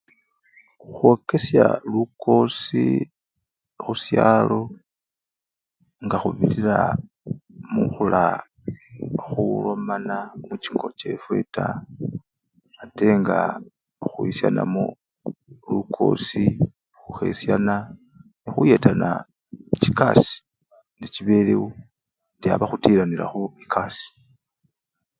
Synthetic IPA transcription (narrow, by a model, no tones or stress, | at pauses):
xwo̞ke̞sjaluko̞si | xusjaːlo̞ | ŋɡaxuβiliɾa | muxula | xulo̞manamut͡ʃiŋɡo̞t͡ʃe̞fwe̞ta | te̞ŋɡa | xuisjana̰mo | lukʰo̞̰si | xuxe̞̰sjana | nixuje̞ːtana̰ | cikasi̥ | neciβe̞le̞wu | tjaβaxutiːɾaniɾa̰xoikʰasi̥